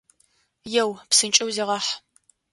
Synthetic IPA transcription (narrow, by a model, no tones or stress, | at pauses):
jɛwpsɨnt͡ʃʼɐwziːʁɐħ